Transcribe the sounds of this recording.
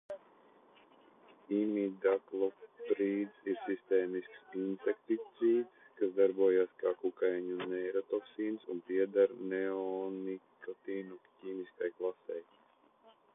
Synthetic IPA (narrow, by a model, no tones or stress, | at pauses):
imid̪aklˠɔpɾiːd̪siɾsist̪eːmisksinsek̚t̪it̪siːd̪skasd̪aɾbuɔjaːskaːkukajɲunɛjɾɔt̪oksiːnsunpiɛd̪aɾneɔnikɔt̪iːnuciːmiskajklˠasɛj